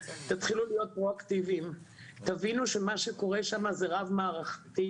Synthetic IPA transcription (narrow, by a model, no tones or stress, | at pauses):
t̪at̪χilulijo̞t̪̚pʁo̞akt̪ivim | t̪avinuʃe̞maʃeko̞ʁe̞ʃamazeʁavmaːʁaχt̪i